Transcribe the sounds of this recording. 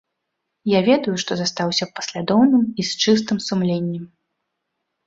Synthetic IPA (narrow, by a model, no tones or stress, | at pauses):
javʲɛd̪ujuʂt̪ɔzast̪awsʲɐpɐ̥sʲlʲad̪ɔwnɨmist͡ʂɨst̪ɨmsumlʲenʲːɛm